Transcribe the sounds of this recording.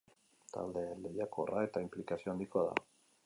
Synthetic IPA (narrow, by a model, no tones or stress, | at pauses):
t̪a̰ld̪e̞le̞jako̞rʔae̞t̪aimplikasio̞and̪ikoaða̰